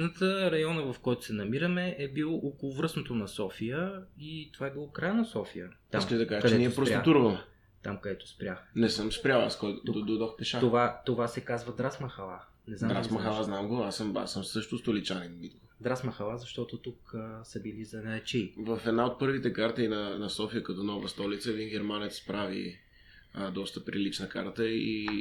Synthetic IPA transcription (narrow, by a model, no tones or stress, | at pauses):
nət̪əɾɐjɔnəvɐfkɔjt̪ʊ̥sɛnɐmiɾəmɛʔɛbilˠoʔokolˠʊvɾɤsnot̪onɐsɔfijəit̪ovaɛbilˠɔkɾajənɐsɔfijət̪aimskəid̪ɐkaʒəkɐdɛɛniɛpɾosʲt̪uɾvəlˠ | t̪amkɐd̪ɛt̪o̥spɾʲjaxnɛsɤmspɾʲalˠaskɔjt̪od̪od̪ɔxpɛʃat̪ovat̪ovasɛkazvɐd̪ɾasmɐxɐlˠa | nɛznd̪ad̪ɾasmɐxalˠaznamɡoa̰səma̰səmsɤʃt̪ost̪olit͡ʃaninmid̪lˠod̪ɾasmɐxɐlˠazɐʃt̪ɔt̪ot̪ukəsɐbilizɐnɛt͡ʃivəfɛd̪naot̪̚pɤɾvit̪ɛkaɾt̪əinɐnɐsɔfijəkɐt̪ɔnɔvəst̪ɔlit̪səvinɡɛɾmanɛt̪spɾavḭ | d̪ɔst̪əpɾilit͡ʃnəkaɾt̪əi